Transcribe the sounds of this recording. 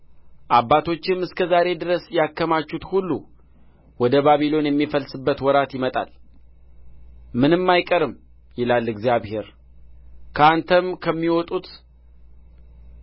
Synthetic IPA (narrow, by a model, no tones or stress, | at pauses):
ʔabːat̪ʰo̞t͡ʃːɪmɨskʰəzaɾe̞d̪ɨɾəsjakːəmat͡ʃːut̪hulːu | wɔd̪əβaβilo̞njɛmːifəlsɨbːət̪wɔɾat̪jɪmət̪ʼa̰l | mɨnɨmːajkʼəɾɨm | jɪlalːɨɡzijaβhe̞ɾ | kʰəant̪ʰəmkʰəmːiwɔt̪ʼut̪